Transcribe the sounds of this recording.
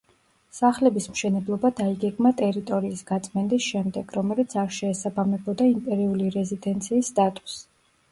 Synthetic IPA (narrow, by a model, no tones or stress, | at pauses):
saχlɛbismʃɛnɛblˠɔbad̪aiɡɛɡmat̪ʼɛɾit̪ʼɔɾiːsɡ̥at̪sʼmɛnd̪isʃɛmd̪ɛɡ̥ɾɔmɛlit̪sʰaɾʃɛːsabamɛbɔd̪aimpʼɛɾiuliɾɛzid̪ɛnt̪sʰiːsːt̪ʼat̪ʼu̥s